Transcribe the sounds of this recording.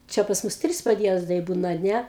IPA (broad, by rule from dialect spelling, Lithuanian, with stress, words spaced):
ˈt͡ʃʲɛ pɐs ˈmʊs ˈtʲrʲɪs pɐdʲˈjiɛzdɐɪ ˈbuːnɐ ɐ ˈnʲɛ